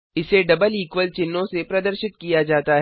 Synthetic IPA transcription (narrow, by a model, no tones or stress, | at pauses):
ɪseɖɐbəliːkʋəlt͡ʃɪnːõsepɾɐd̪əɾʃɪt̪̚kijad͡ʒaːt̪aɦ